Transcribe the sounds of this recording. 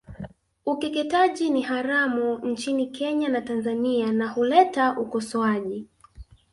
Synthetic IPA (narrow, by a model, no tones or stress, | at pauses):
ukɛkɛtaʄiniɦaɾamun̩t͡ʃinikʰɛɲanatanzanianahulɛtaʔukɔsɔaʄi